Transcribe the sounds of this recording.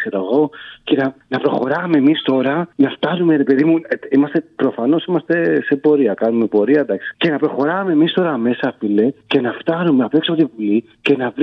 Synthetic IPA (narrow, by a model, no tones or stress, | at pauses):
seɾɐɣo̞ce̞nɐnɐpɾo̞xo̞ɾɐme̞ːmist̪o̞ɾɐnɐft̪ɐnume̞ɾe̞pe̞ðimuimɐst̪e̞pɾofɐno̞simɐst̪e̞se̞po̞ɾiɐkɐnume̞po̞ɾiɐd̪ɐksi̥ce̞nɐpɾo̞xo̞ɾɐme̞mist̪o̞ɾɐːme̞sɐːfile̞ce̞nɐft̪ɐnumeɐpeksoot̪ivuli | ce̞nɐvɾ